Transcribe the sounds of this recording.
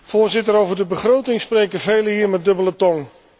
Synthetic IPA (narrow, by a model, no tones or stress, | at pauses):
foːɹzɪtəɾowvərdəbəχrowtɪŋspreːkəvejləɦiːrmɛt̚dɵbələtɔŋ